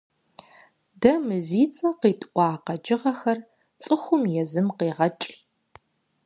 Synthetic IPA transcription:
dɐmɨziːt͡sʼɐqeːtʼʔʷʼɑːqɐd͡ʒɪʁɐxɐr | t͡sʼɨxʷʊmjɛzɨmqeːʁɐt͡ʃʼ

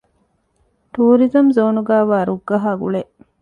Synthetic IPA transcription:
t̪uːɾizɐmzoːnuɡæːʋaːɾuɡːɐɦaːɡṵɭeʔ

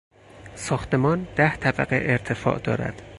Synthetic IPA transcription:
sɒːxt̪e̞mɒːnd̪̥æht̪ʰæbæɣeʔeɾt̪ʰe̞fɒ̰ːʔd̪ɒ̰ːɾæ̰d̪̥

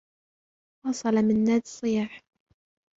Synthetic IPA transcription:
wɑsˤɑlamɪnːaːd̪ɨsˤːɨjaːħ

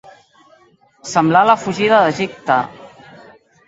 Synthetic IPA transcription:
səmblaləfuʒiðəðəʒip̚t̪ə

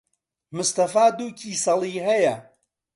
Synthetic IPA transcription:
mʊst̪ɐfaːd̪uːkʰiːsɐlˠiːɦɐjɐ

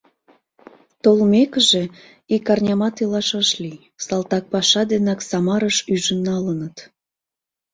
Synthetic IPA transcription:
t̪olmekəʒe̽ | ikɑrnʲɑmɑt̪ilɑʃəʃli | sɑlt̪ɑk̚pɑʃɑd̪enɑksɑmɑɾəʃyʒənːɑlənət̪

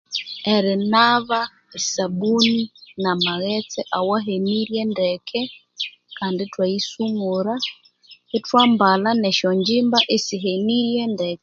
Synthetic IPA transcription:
ɛɾɛnaβa | saɓuninamaɣɛt͡sɛʔawaɦeniɾjɛndɛkʰɛ | kanditwaisuŋuɾa | itwambalanɛʃɔɲd͡ʒimbaʔesiɦeniɾjɛndɛkɛ

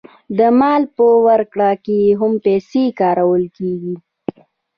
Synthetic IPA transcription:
d̪əmɑlpəwaɾkɽakejeɦʊmpɛsekɑːɾawəlkeɡi

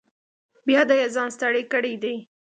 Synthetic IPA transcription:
bjɑd̪əjazɑnst̪aɽekəɽejd̪ej

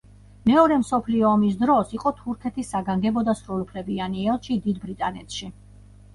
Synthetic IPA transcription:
mɛɔɾɛmsɔpʰliɔːmis̬d̪ɾɔsiqʼɔt̪ʰuɾkʰɛt̪ʰisːaɡaŋɡɛbɔd̪asɾulupʰlɛbianiɛlˠʃid̪id̪bɾit̪ʼanɛ̰t̪ʰʃi

